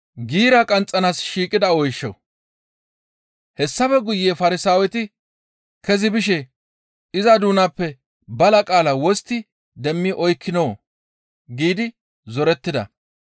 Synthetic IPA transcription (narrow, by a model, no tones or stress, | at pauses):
ɡiːɾɐkʼɐnt͡sʼːɐnaːsʃiːkʼɪd̪ɐɔjʃːɔ̰ | hɛsːɐfɛɡʊjːeːfɐɾɪsaːwɛt̪ɪ | kɛzɪbɪʃɛ | ɪzɐd̪uːnapːɛ | bɐlɐkʼaːlɐwɔst̪ːɪ | d̪ɛmːɪʔɔjkʰːɪnoː | ɡiːd̪ɪ | zɔɾɛt̪ːɪd̪ɐ̰